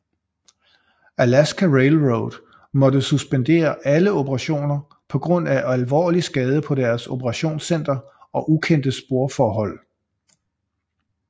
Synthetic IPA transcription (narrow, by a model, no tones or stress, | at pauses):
ælæsɡ̥ʰæʁeɪlʁod̥ | mɒ̽d̥əsusb̥end̥e̝̰ːɐʔæləo̝pʰəʁɑ̈ɕo̝̰ːnɐ | pʰɒ̽ɡ̥ʁɔ̽n̰æælʋɒ̰ːlisɡ̥ɛːð̞ˠəpʰɒ̽d̥æɐso̝pʰəʁɑ̈ɕo̝̰ːnsen̰d̥ɐɒ̽ʔukʰen̰d̥əsb̥o̝ɐfɒːɦɒ̽l̰